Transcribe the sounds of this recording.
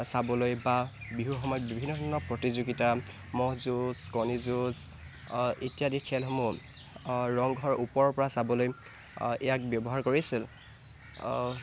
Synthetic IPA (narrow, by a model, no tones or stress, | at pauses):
sabɔlojbabiɦuxɔmɔjtbibʱinːɔdʱɔɹnɔpɹɔtizuɡita | mɔɦzuzkɔnizuz | etijadikʰɛlɦomɔ | ɹɔŋɡʱɔɹʔupɔɹɔpɔɹasabɔloj | ɛjak̚bjɔbɔɦaɹkoɹisil